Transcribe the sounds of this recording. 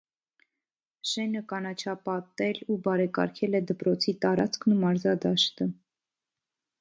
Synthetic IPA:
ʃɛnəkɑnɑt͡ʃʰɑpɑt̪ɛlubɑɾɛkɑ̰ɾkʰɛlɛd̪əpɾɔt͡sʰit̪ɑɾɑt͡skʰnumɑɾzɑd̪ɑʃt̪ə

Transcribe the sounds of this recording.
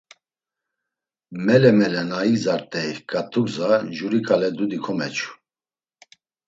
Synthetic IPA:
mɛlɛmɛlɛnaizaɾt̪ʼɛjkʼat̪ʰukzaʒuɾikʰʼalɛd̪ud̪ikʰɔmɛt͡ʃʰu̥

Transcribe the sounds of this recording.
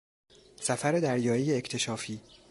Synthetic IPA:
sæfæɾe̞d̪æɾjɒːjijeect̪ʰe̞ʃɒːfiː

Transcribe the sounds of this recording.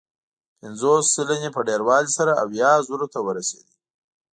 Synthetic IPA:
pɪnzosːɪlanepəɖeɾwɑlisaɾaawjɑzuɾot̪awəɾasḛd̪i

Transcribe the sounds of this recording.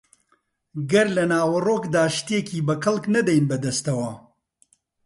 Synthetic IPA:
ɡɐɾlɐnaːwɐroːkd̪aːʃt̪ekiːbɐkɐlknɐd̪ɐjnbɐd̪ɐst̪ɐwɐ

